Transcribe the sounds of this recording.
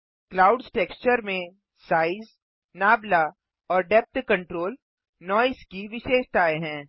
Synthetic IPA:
klaːʊɖzʈeːkst͡ʃəɾmẽ | saːɪz | naːbla | ɔːɾɖɛp̚t̪kɐ̃ɳʈɾoːl | nɔːɪskiʋɪʃeːʃt̪aːeɦɛ̃ː

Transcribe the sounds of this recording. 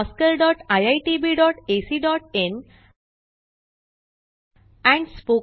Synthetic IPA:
skəɾɖɔːʈajaɪʈibiːɖɔːʈesiːɖɔːʈẽn | ɛ̃ɳɖspoː

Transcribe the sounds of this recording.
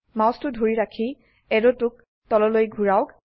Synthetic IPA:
mãwstʊdʱoɹiɹakʰi | ɛdɔtʊk̚ | tɔlɔlojɡʱuɹaʊk

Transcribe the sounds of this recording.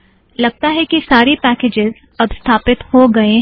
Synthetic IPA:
lɐɡ̚t̪aɦɛkisaːɾipɛːkeːd͡ʒɪz | ɐbst̪ʰaːpɪt̪hoɡɐe

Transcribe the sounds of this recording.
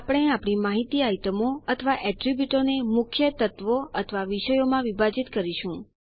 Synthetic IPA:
apɽ̃eapɽ̃imaɦit̪iajt̪əmoət̪ʰəʋaʔɛʈɾibjuʈonemʊkʰjət̪ət̪ʋoət̪ʰəʋaʋiʃəjomãʋibʱad͡ʒit̪kəɾiʃũ

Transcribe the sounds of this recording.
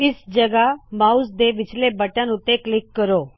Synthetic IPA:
ɪsd͡ʒəɡamaus̬d̪eʋɪt͡ʃlebəʈjãnut̪eklɪkːəɾoː

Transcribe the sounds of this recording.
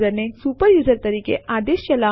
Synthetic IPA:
zəɾnesuːpəɾjuːzəɾt̪ɐɾiːkḛʔad̪eʃjɐla

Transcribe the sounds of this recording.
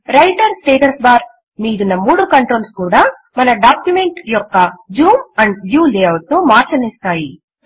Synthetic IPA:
ɾɐjʈɐɾsʈeːʈɐɾsbaːɾ | miːd̪unːɐmuːɽukɐɳʈɾo̞ːlskuːɽaː | mɐnɐɖaːkjume̞ɳʈjɔkːɐd͡ʒuːmɐɳɖbjuːleːɐʋʈːumaːɾt͡ʃɐnist̪aːji

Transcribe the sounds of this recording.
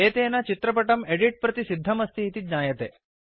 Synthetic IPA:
eːt̪eːnɐt͡ʃit̪ɾɐpɐʈɐmeɖiʈ̚pɾɐt̪isid̪ʱːɐmɐst̪ʰiːt̪idɲaːjɐt̪eː

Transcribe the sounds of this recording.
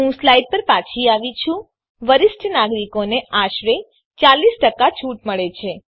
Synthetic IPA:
ɦũslajɖ̚pəɾpat͡ʃʰiaʋit͡ʃʰũ | ʋəɾɪsʈnaɡɾikoneaʃɾe | t͡ʃalisʈəkat͡ʃʰuʈməɭet͡ʃʰe

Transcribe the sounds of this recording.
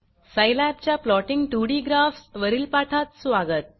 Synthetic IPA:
səjlæp̚t͡ɕjaplɔʈiŋɡʈuːɽiɡɾaːfsʋəɾilpaːʈʰat̪sʋaːɡət̪̚

